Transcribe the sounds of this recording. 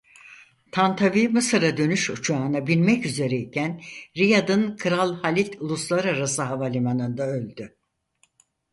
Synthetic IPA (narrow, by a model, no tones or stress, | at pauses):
t̪ʰant̪ʰavimɯsɯɾad̪ø̞nyʃut͡ʃʰaːnabilʲmɛcyze̞ɾɛicʰænɾijad̪ɯnkʰɯɾalˠhalʲit̪ʰulˠuslˠaɾaɾasɯɦavalʲimanɯnd̪aølʲd̪y